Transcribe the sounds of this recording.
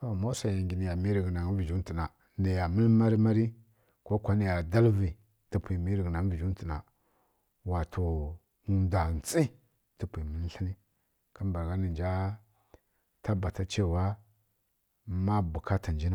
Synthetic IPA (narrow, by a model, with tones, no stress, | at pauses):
to˨mo˦sa˨ja˨ŋɡi˨ni˨ja˨mi˦ɾi˨ɡna˨ŋ˦vi˨d͡ʒu˦n˦ti˨na˨ | ni˨ja˨mə˦lma˦ɾi˦ma˦ɾi˦ | ko˦kʷa˦ni˨ja˨da˦lvi˨ | ti˨pʰʷi˨mi˦ɾi˨ɡna˨n˦vi˨d͡ʒu˦n˦ti˨na˨ | wa˨tʰo˨ | da˨n˨t͡sʼi˦ | ti˨pʷi˨mə˨˦n˦ɬi˦ni˦ | ka˦mba˨ɾɡa˦ni˨nd͡ʒa˦ | ta˦ba˨ta˦t͡ʃe˦˨wa˦ | ma˦bu˨ka˦ta˨nd͡ʒi˦na˦